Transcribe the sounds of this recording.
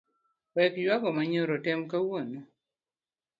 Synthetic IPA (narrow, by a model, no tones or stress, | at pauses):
wɛkjwaɡɔmaɲoɾotɛmkawono